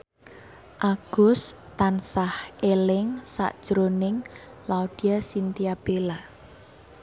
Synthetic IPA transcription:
ʔaɡ̥ʊst̪ansahʔelɪŋsa̰ʔd̥ʒ̥ɾonɪŋlaod̪̥iasint̪iab̥ela

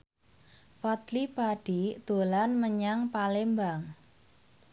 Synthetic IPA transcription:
fat̪lipaɖ̥id̪̥o̤lanməɲaŋpalembaŋ

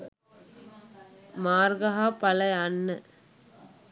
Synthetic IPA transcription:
maːɾɡɐɦaːpɐlɐɪɐnːɐ

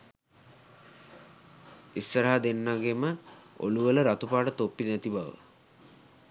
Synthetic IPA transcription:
istːəɾaɦad̪enːaɡeməo̰luʋələɾat̪upaːʈət̪opːinæt̪ibaʋə̰

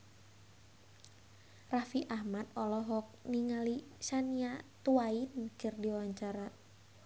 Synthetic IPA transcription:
rafiʔahmat̪̚ɔlɔɦɔk̚niŋalisaniat̪uainkɨrdiwawaɲt͡ʃaɾa

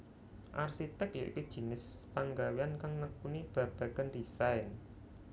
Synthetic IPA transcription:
ʔarsit̪ɛkjoʔḭkud̥ʒ̥i̤nɪspaŋɡaweankaŋːəkunib̥ä̤b̥a̤ɡandisaɪn

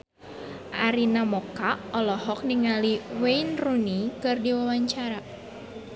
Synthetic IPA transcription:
ʔaɾinamɔkaɔlɔhɔk̚niŋaliweinrunikɨrdiwawaɲt͡ʃaɾa

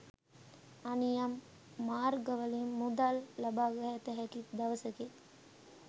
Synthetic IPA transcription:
ɐnijɐmː | aːɾɡɐʋɐlimːud̪alːɐbaːɡɐɦɛt̪əɦɛkit̪d̪ɐʋɐsɐke

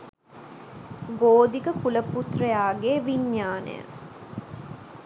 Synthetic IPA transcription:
ɡoːd̪ikəkuləput̪rəjaːɡeːʋiɲjaːnḛjə̰

